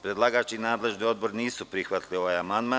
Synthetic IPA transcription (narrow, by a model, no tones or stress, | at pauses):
pɾe̞d̪lˠaɡaːt͡ʃinaːd̪le̞ʒnio̞d̪̚bo̞ɾniːsupɾixʋat̪lio̞ʋajamand̪ma